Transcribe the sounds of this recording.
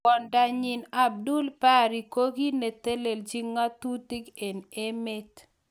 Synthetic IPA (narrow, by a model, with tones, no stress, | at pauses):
ɔ˨nda˨ɲɪ˨na˨b̚du˦lpa˦ɾi˨ko˦ɡi˦ne˨t̪e˦le˨ld͡ʒi˦ŋːa˦t̪u˦ti˦ke˨ne˦me˦t